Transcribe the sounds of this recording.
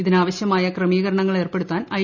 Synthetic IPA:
iðinaːʋɐɕjɐmaːjɐkrɐmiːɣɐɾɐɳɐŋːɐɭe̞ːrpe̞ɽut̪ːaːnɐ

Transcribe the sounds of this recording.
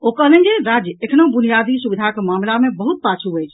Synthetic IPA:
okəlẽd͡ʒeɾad͡ʒjəekʰnoũbunijad̪isubid̪ʱakemamlamebəɦut̪̚pat͡ʃʰuɦəjt͡ʃʰ

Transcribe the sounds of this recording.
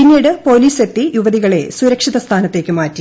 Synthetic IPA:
inːiːɽɨpo̞liːse̞t̪ːijuʋɐðiɣɐɭe̞̰suɾɐkʂiðɐst̪ʰaːnɐt̪ːe̞ːkːɨmaːtːi

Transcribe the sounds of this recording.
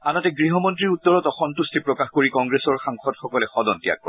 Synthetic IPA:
anɔtɛɡɹiɦɔmɔntɹiɹuttːɔɹɔtɔxɔntustʰipɹɔkaxkoɹikɔŋɡɹesɔɹxaŋxɔdxɔkɔlɛxɔdɔntija̰k̚pɔ̰ɹ

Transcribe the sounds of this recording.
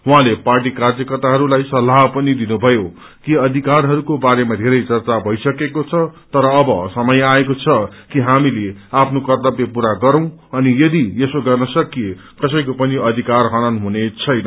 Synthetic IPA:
wɦãleparʈikard͡zjʌkʌrt̪aɦʌɾulajsʌlːaɦpʌnid̪inubʱʌjo | kiʌd̪ʱikarɦʌɾukobaɾemad̪ʱeɾʌjt͡sʌrt͡sabʱʌjsʌkekot͡sʰʌt̪ʌɾʌːbʌsʌmʌjaekot͡sʰʌkiɦamileapʰnokʌrd̪ʌbjepuɾaɡʌɾʌ̃w̃ʌnijʌd̪iesoɡʌrnʌsʌkije | kʌsʌjkopʌniʌd̪ʱikarɦʌñʌnɦunet͡sʰʌjnʌ

